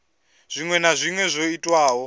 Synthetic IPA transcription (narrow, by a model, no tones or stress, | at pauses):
z̥ʷiŋwɛnazʷiŋwɛzʷoitʼwaːɦɔ